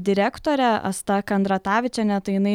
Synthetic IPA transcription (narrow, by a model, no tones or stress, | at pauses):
d̪ʲɪɾʲæːkt̪oːɾʲɛɐ̰st̪ɐkɐnd̪ɾɐt̪ɑːʋʲɪt͡ʃʲɛnʲɛt̪t̪ɐɪjɪnɐɪ